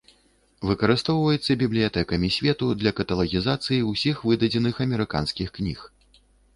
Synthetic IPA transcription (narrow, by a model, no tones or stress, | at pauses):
vɨkɐɾɨst̪ɔwvɐjɛt̪sːɐbʲiblʲijat̪ɛkɐmʲisʲvʲɛt̪ud̪lʲɐkɐt̪ɐlˠɐɣʲizat̪sɨjiwsʲixvɨd̪ɐd͡zʲɛnɨxɐmʲɛɾɨka̰nskʲixknʲix